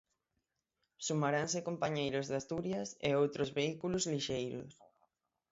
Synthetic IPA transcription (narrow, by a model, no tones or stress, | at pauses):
sumaɾansɪkompaɲejɾʊzðast̪uɾjɐsḛowt̪ɾozβeikulʊzliʃejɾʊ̰s